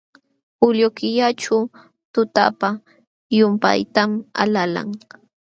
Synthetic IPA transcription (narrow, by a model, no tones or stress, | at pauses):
ʊlokɪʎaʈ͡ʂa | t̪ʊt̪a̰pa | jʊmpa̰jt̪ama̰lala̰ŋ